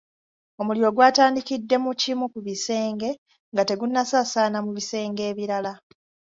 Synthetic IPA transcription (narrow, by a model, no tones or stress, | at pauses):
o̞muljo̞ːɡwaːtaːndikidːe̞mucimukuβise̞ːŋɡe̞ | ŋɡate̞ɡunːasaːsaːnamuβise̞ːŋɡe̞ːβiɾala